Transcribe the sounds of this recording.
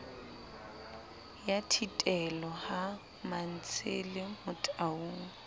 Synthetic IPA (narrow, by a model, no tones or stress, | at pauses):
jatʰitʼɛlɔha | man̩t͡sʰelɪmʊtʼauːŋ̩